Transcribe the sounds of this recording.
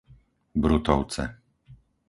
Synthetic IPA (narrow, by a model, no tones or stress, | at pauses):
bɾut̪ɔʊt͡sɛ̰